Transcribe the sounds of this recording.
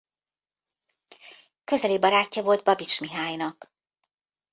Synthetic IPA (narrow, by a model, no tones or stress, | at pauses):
kø̞zɛliːbɒɾaːcːɒvo̞ld̪̚bɒbit͡ʃmiɦaːjnɒk